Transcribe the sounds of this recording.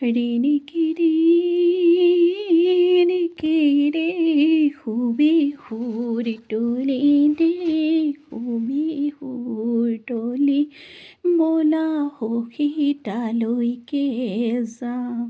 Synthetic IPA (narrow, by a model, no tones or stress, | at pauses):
ɽinikiɾi | nikiɾekʰubikʰuɾiʈolinekʰubihuɾʈoli | bolahokʰiʈalojkeza